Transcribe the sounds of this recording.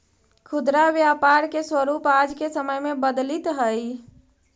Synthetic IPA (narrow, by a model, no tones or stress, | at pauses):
kʰud̪ɾaʋjapaɾkeswəɾupad͡ʒkesəməjmebəd̪lit̪ɦəj